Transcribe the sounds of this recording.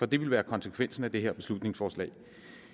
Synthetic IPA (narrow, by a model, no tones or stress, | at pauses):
fɒ̽d̥e̝ʋe̝lʋæːɐkʰɒ̽nsəkʰʋen̰sn̩æd̥e̝ɦeɐ̰b̥e̝slud̥ne̝ŋsfɒːslɛ̰ɪ